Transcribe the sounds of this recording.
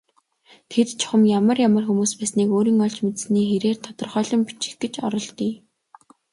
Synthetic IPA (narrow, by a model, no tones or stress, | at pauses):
t̪ʰet̪t͡ɕʰʊ̥χə̆mjamə̆rjamə̆rxumuːspæːsniːkoːɾiːŋɔɮt͡ɕmet̪̆sniːxeɾeːrt̪ʰɔt̪ɞ̆rχœːɮɞ̆mpi̥t͡ɕɪ̥̆xɡet͡ɕɔɾɞ̆ɮt̪iː